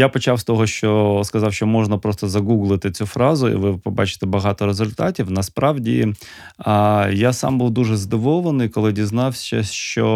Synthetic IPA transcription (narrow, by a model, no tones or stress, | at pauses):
japɔt͡ʃɑwst̪ɔɦɔʃt͡ʃɔskɐzɑwʃt͡ʃɔmɔʒnɐpɾɔst̪ɔzɐɡuɣlˠɪt̪ɪt͡sʲufɾɑzʊḭʋɪpɔbɑt͡ʃɪ̥t̪ebɐɦɑt̪ɔɾezʊlʲt̪ɑtʲiwnɐspɾɑʋdʲḭ | jasɑ̰mbuwd̪uʐɛzd̪ɪʋɔʋɐnɪjkɔlˠɪdʲiznɑwsʲt͡ʃa̰sʲʃt͡ʃɔ